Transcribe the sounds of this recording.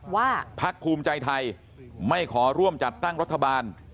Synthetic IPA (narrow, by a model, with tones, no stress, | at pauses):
waː˥˩pʰa˦˥kʰːuː˧mt͡ɕa˧jt̪ʰa˧j | ma˥˩jkʰɔː˩˦ɾu˥˩əmt͡ɕa˨˩t̪ːa˥˩ŋɾa˦˥t̪ʰːa˧baː˧n